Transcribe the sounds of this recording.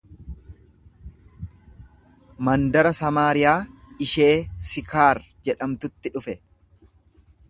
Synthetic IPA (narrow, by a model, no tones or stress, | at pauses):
mɐnd̪ɐɾɐsɐmaːɾɪjaːɪʃe̞ːsɪkaːɾ | d͡ʒɛᶑɐmt̪ʊt̪ːɪᶑʊfɛ